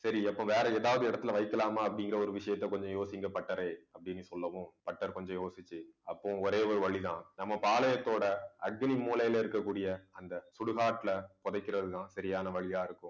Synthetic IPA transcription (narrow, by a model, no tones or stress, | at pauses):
sɐɾiɐpːõʋeːɾɐeːðaːʋɐðɯɪɽɐt̪ːɪlɐʋɐɪkːɐlaːmaːɐpːɐɽɪŋɡɪɾɐɔɾɯʋɪʂɐjɐt̪ːɐkɔɲd͡ʒɔ̃joːsɪŋɡɐpɐʈːɐɾeːɐpːɐɽɪnːɯsɔlːɐʋʊ̃pɐʈːɐɾkɔɲd͡ʒɔ̃joːsɪt͡ʃːɯɐpːõɔɾeːɔɾɯʋɐɭit̪ãːnɐmːɐpaːlɐjɐt̪ːoːɽɐɐʈ̚ɡɐnimuːlɐjɪlɐɪɾɯkːɐkːuːɽɪjɐɐnd̪ɐsʊɽɯɣaːʈːɪlɐpɔðɐɪkːɪɾɐðɯt̪ãːsɐɾɪjaːnɐʋɐɭɪjaːɪɾɯkːʊ̃